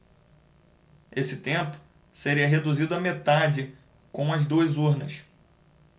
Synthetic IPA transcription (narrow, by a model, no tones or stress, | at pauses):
esɪt̪ẽmpʊ̥ | seɾiɐɦed̪uzid̪ʊɐmet̪ad͡ʒɪ | kõw̃ɐzd̪uɐzuɾnɐs